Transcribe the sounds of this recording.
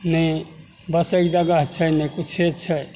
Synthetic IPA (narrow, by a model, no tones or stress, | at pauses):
nəi | bəsekd͡ʒaɡaɦt͡ʃʰənəikut͡ʃʰet͡ʃʰə